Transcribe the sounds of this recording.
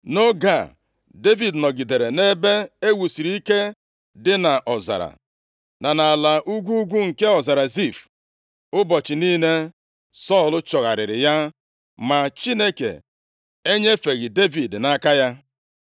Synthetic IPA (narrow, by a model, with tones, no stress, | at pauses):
no˦ɡa˦˨ | de˦vi˨dnɔ˨ɡi˨de˨ɾe˨ne˦be˦e˦wu˨si˨ɾi˦i˦ke˦ | dɪ˦na˨ʔɔ˨za̰˨ɾa̰˨ | na˨na˨la˨ʔu˦ɡʷu˦u˦ɡʷu˦ŋ̩˨ke˦ɔ˨za˨ɾa˨zi˦˨f | ʊ˦bɔ˨t͡ʃɪ˨niː˦ne˦ | sɔ˦˨lʊ˦t͡ʃɔ˨ɣa˨ɾɪ̰˨ɾɪ̰˨ja˦ | ma˨t͡ʃi˦ne˦kḛ˨ | e˦ɲe˦fe˨ɣi˨de˦vi˨dna˦ka˦ja˦